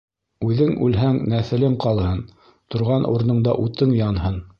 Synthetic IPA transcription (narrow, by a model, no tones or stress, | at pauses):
ʉðɘŋʉlɦæŋnæθɘ̆lɘŋqɑlˠhɤn | t̪ŏɾʁɑnʔṵɾ̆nɤ̆ɴd̪ɑ̰ʔut̪ɤŋjɑnhɤn